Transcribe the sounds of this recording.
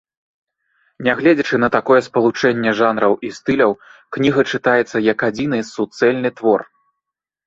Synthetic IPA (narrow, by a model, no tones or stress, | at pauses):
nʲaɣlʲɛd͡zʲɐt͡ʂɨnɐt̪akɔjɛspɐlˠut͡ʂɛnʲːɛʐanɾɐwʔist̪ɨlʲɐwknʲiɣɐt͡ʂɨt̪ajɛt̪sːɐjɐkad͡zʲinɨsut̪sɛlʲnɨt̪vɔr